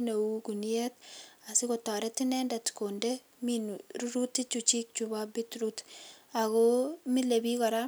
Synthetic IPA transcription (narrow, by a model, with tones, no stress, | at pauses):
ne˨wukuniɛt̚a˨sɪko˨ta˨ɾɛ˦ti˦nɛ˦ndatko˨ndɛ | minɾu˦ɾu˦tːi˦t͡ʃut͡ʃi˦k̚t͡ʃubabi˦tɾuta˨komile˨bi˦kɔ˨ɾa